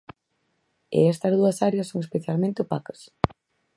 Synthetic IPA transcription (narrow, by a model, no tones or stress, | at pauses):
ḛɛst̪ɐzð̞uɐsaɾjɐsːoŋespeθjalmẽnt̪ɪʊpakɐ̥s